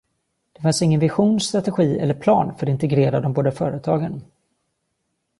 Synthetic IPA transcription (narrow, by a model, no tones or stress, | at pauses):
d̪̥ɛfansɪŋːənvɪɧuːnst̪ɾat̪ɛɧiːɛ̰lːəɾpʰlɑ̰ːnfœɾɔt̪ɪnt̪ɛɡɾeːɾad̪ɔmboːd̪əfœːɾət̪ʰɑːɡən